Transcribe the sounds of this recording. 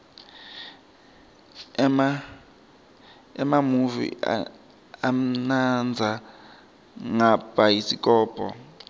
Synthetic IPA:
ɛmamuvḭa̰ | am̩nand͡zʱa | ŋab̥ʱajisikʼɔːpʰʼɔ̰

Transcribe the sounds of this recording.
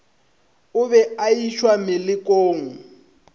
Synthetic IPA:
ʊβɛaiʃwamɪlɪkʼoːŋ̩

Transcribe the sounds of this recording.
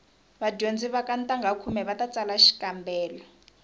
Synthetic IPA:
βad͡ʒond͡ziβakantʼaŋɡʱakʰumɛβatat͡salaʃi̥kambɛːlɔ

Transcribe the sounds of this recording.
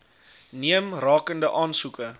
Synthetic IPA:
niəmrɑːkəndəʔɑːnsukə

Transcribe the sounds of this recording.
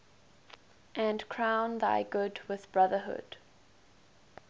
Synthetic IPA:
ʔɨ̃nkʰɹ̥ãʊ̃nða̰ɪɡʊdwɪðbɹʌðəɦʊ̰d̥

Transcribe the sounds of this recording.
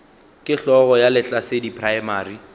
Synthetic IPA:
kʼɪɬɔɣɔjalɪɬasedipʰʼraɛmaːri

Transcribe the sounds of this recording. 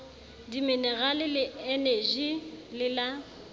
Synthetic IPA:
dimɪnɛɣalɪlɪeneʒilɪla

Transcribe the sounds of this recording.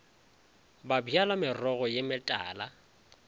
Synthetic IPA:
babialamɪrɔɣɔjɪmɪtʼa̰ːla

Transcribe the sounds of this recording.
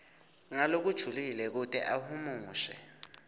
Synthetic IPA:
ŋalok̬ud̥ʒ̥ʱulilɛk̬utʼɛ̰ʔahumuːʃɛ̰

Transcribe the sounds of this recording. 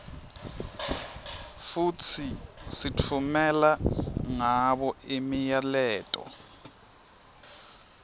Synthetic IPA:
fut͡sʰisit͡fʰumɛlaŋaɓɔimijalɛːtʼɔ̰

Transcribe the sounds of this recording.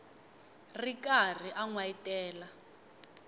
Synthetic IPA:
rikar̤iʔaŋwaitʼɛːla

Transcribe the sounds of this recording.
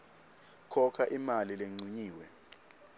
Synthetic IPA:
kʰɔkʰaʔimalileŋ͡ǀiɲiːwɛ

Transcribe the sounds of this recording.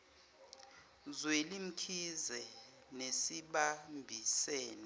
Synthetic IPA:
zwelim̩kʰizɛ | nesiɓambʱisɛːnɔ

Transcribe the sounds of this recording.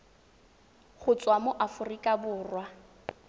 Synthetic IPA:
χʊt͡sʼwamʊʔafʊrikʼabʊːrwa

